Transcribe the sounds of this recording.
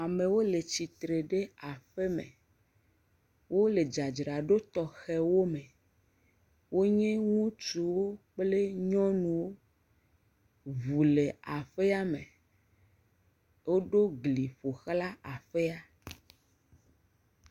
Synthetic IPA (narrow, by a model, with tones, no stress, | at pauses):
a˨me˨wo˦le˨t͡ɕi˨t̪ɾe˨ɖe˦a˨ɸe˦mḛ̃˨ | wʔo˦le˨d͡ʒa˨d͡ʒɾa˨ɖo˦t̪ɔ˨xɛ˦wo˦mẽ˨ | wo˦ɲɛ̃˦ŋũ˦t͡ʃu˨wo˦k͡ple˦ɲɔ̃˦nũ˨wo˦ | vu˨le˨a˨ɸe˦a˦mḛ̃˨ | wo˦ɖo˦ɡli˨ɸo˨xla˦a˨ɸe˦a˦